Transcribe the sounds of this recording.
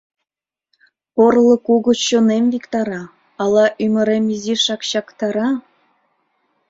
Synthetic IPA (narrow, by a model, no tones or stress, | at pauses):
porlˠɤ̆kuɣŏt͡ɕonemvʲikt̪ɑɾɑ | ɑlˠɑʔymə̆ɾemiziʃɑkɕɑkt̪ɑɾɑ